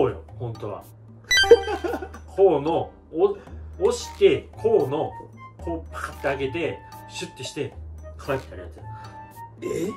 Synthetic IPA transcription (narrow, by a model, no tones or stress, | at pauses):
oːjo̰hõ̞nt̪o̞βa̰ | kʰoːno | ooɕi̥t̪e̞kʰo̞ːno̞kʰoːpḁt̪ːeaɡe̞d̪e̞ɕɨt̪ːeɕi̥t̪e̞kʰaaet̪ːe̥aɾʲijat͡sɨ | e